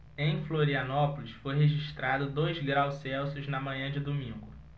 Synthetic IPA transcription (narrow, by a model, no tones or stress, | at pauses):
ẽj̃floɾiɐnɔpolisfojɦeʒiʃt̪ɾad̪ʊd̪ojzɡɾawsɛwsʊznɐmɐ̃ɲɐ̃d͡ʒɪd̪omĩŋɡʊ